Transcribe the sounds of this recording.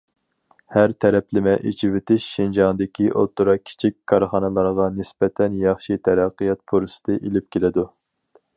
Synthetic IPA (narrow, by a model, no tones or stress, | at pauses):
hæɾt̪ʰɛɾɛplɪmɛʔet͡ʃʰivɪt̪ʰɪʃːind͡ʒɑŋd̪ɪkʲʰiʔot̪ːuɾɑkʲʰi̥t͡ʃʰikʲkʰːɑɾχɑnɨlˠɑɾʁɑnɪsbɛt̪ʰɛnjɑχʃit̪ʰɛɾɑqːɨjɑt̪̚pʰuɾsɨ̥t̪ɨʔelɪp̚kʲelɪd̪u